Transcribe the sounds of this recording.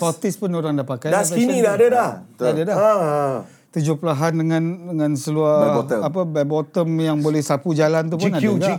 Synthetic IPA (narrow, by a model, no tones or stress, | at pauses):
pɔt̪ɪspʊnoɾaŋdapakajaainĩdadadahdaadəda | t̪ud͡ʒʊpəlaɦandəŋãndəŋãnsəluaəapəbabɔt̪əmjaŋbolɛhsapud͡ʒalant̪̬up̬ʊnadaɡa